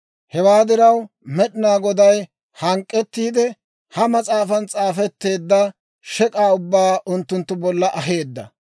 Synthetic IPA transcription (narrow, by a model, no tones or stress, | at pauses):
hɛwaːd̪ɪɾɐw | mɛɗɪnaːɡɔd̪ɐj | hɐŋkʼːɛt̪ːiːd̪ɛ | hɐmɐt͡sʼaːfɐnt͡sʼaːfɛt̪ːe̞ːd̪ːɐ | ʃɛkʼaːʊbːaːʔʊnt̪ːʊnt̪ːʊbɔlːɐʔɐɦe̞ːd̪ːɐ